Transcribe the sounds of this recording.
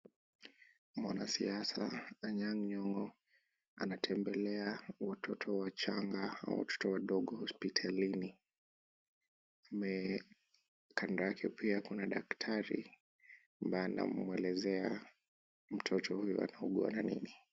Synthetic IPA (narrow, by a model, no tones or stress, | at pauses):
mwanasḭasaaɲaŋɲɔŋɔ | a̰natʰɛmbɛlɛawatʰɔtʰɔwat͡ʃaŋɡaa̰wa̰tʰɔ̥tɔwaɗɔɠɔhɔspitʰalini | amɛ | kʰandaakʰɛpiakunaɗaktʰaɾḭ | ambajɛna̰mwɛlɛzɛa | m̩tʰɔtʰɔhujɔ̰a̰nauɠua̰nanḭni